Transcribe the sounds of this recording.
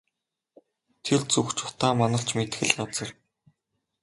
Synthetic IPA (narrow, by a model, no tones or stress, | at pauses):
t̪ʰert͡suxt͡ɕʊ̥t̪aːmanə̆ɬt͡ɕmet̪xɘ̆ɮɢat͡sə̆r